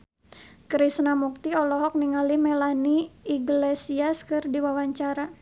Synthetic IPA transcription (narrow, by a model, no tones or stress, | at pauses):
kɾisnamuk̚t̪iɔlɔɦɔk̚niŋalimɛlaniːɡlesiaskɨrdiwawaɲt͡ʃaɾa